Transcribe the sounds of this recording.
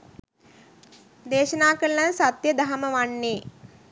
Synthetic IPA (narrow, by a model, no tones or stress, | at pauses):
d̪eːʃənaːkəɾəlansat̪jəd̪aɦaməʋanːeː